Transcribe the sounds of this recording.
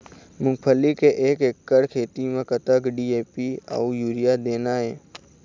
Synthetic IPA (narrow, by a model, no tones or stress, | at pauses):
mʊ̃ŋkpʰəlːikeʔeːkekːəɽkʰeːt̪imẽkət̪əkɖiːeːpia̰ʊjuːɾijad̪eːnaɦɛ̰ː